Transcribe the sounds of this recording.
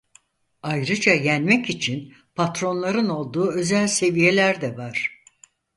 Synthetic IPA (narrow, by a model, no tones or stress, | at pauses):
ajɾɯd͡ʒajænmɛcit͡ʃʰin | pʰat̪ɾo̞nlˠaɾɯno̞lˠd̪uːø̞zælʲse̞vije̞lʲæɾd̪ɛvaɾ̥